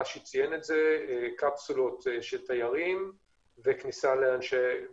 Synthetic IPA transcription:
aʃet͡sijenetzekapsulo̞t̪ʃeltajaʁim | veknisaleanʃe

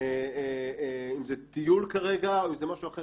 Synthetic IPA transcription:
e | imzet̪ijulkaʁe̞ɡaoimzemaʃuaχe

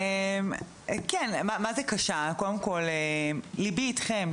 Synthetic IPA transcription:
em | kɛnmamazekaʃakodemkolelibiːtχem

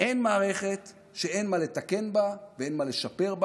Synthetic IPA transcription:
ʔe̞nmaːʁe̞χe̞t̪ | ʃe̞e̞jnmale̞t̪ake̞nbaveenmale̞ʃape̞ʁb

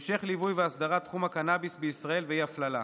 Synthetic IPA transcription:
mʃe̞χlivujveasd̪aʁat̪ːχumakanabisbeisʁae̞lveiaflala̰

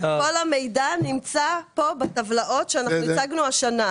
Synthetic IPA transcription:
kolame̞jdanimt͡sapo̞betavlaʔo̞tʃeanaxχniaɡnuaʃana

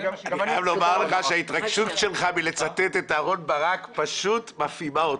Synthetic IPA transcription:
adamlo̞maʁleχaʃeait̪ʁaɡʃutʃe̞lχabilet͡sat̪et̪et̪aːʁo̞nbaʁakpaʃut̪mafimaot

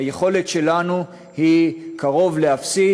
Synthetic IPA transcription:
jeχo̞le̞tʃe̞lanu | hikʰaʁo̞vle̞afsi

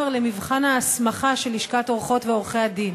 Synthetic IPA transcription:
eʁlemivχanaːsmaχaʃe̞liʃkat̪o̞ʁχo̞tveo̞ʁχejad̪in

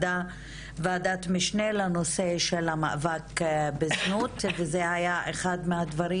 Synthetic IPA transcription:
da | vaad̪at̪miʃnelanoseʃelama̰ʔvakbeznut̪vezehajaʔeχad̪mead̪vaɾi

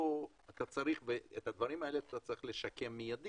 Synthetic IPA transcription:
o | at̪at͡saʁiχveet̪ad̪vaʁimae̞leat̪at͡saɐʁiχleʃake̞mːijad̪i

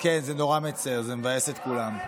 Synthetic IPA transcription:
kenzeno̞ʁamet͡seʁzemevajeset̪kulam

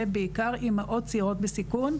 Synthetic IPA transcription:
ebeikaʁimaʔo̞t̚t͡siʁo̞t̪̚besikun

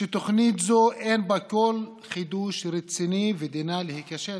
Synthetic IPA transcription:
ʃet̪oχnit̪zoʔenbakol | χid̪uʃɾet͡sinived̪inalehikaʃe

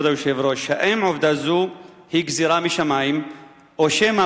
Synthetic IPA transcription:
d̪ajuʃevɾoʃaʔemʕovd̪azu | hiɡziɾamiʃamaim | oʃema

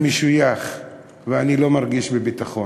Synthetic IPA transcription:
meʃujaχ | veanilo̞maʁɡiʃbebit̪aχo̞

